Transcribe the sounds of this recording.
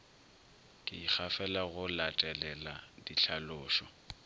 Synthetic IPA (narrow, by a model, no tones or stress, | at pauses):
kʼɪik͡xʰafɛlaɣʊlatʼɛlɛladiɬʰalʊːʃɔ